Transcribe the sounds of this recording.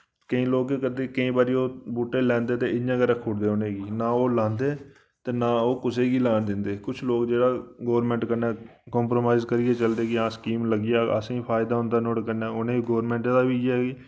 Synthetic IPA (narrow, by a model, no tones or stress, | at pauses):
kəĩːloːkekəd̪eːkəĩːbaːɾiːoːbuːʈːeːlɛ̃ːnd̪eːt̪eːɪjãːɡəɾɛːkʰʊːɽd̪eːonẽːɡiːnãːoːlãːnd̪eː | t̪eːnaːoːkʊseːɡiːlaːnd̪ɪnd̪eːkʊt͡ʃʰloːkd͡ʒeːɽaːɡoːɾmɛ̃ːɳʈkəɾnɛ̃ː | kɔːmpɾoːmaːɪzkəɾɪːeːt͡ʃəld̪eːkɪãːskiːmləɡɪjaːə̰sĩːpʰaːɪd̪aːɦʊ̃nd̪aːnoːɽkəɾnaːʊnẽːɡoːɾmɛ̃ːɳʈed̪aːʋiːaːɡiː